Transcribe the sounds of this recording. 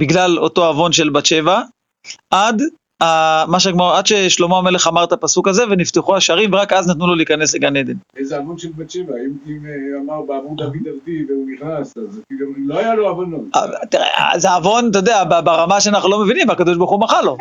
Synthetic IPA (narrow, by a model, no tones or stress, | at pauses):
biɡlalo̞to̞avo̞nʃe̞lbatt͡ʃe̞va | ʔad̪ | amaʃeɡmaʁad̪ʃe̞ʃlo̞moame̞le̞χamaʁt̪apasukaze̞ve̞nift̪eχuaʃaʁimveakaznat̪nulo̞liːkane̞sleɡane̞d̪enezeavonʃelbat͡ʃevaimimamaʁbeavudavid̪avd̪iveuniχnasazpiɡamloajaloavonotat̪iʁḛa̰zeavo̞nt̪od̪eababaʁamaʃeanaχnulo̞me̞vinimveakad̪oʃbaʁχumaχalo̞